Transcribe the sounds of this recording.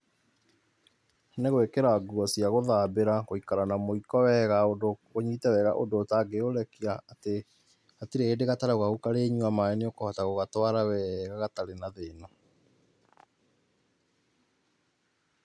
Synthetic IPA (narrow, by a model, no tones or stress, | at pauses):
neɣowekeɾaɡuɔsiaɣoðaːbeɾaɣoikaɾanamoikɔwɛɣaodoɣoɲiːtɛwɛːɣa̰ʔondoːtaɡeoɾɛkiaːte | atiɾeːdeɣataɾaoɣaokaɾeːɲuamaeneokohɔtaɣoɣatwaɾawɛɣaɣataɾenaðeːnɔ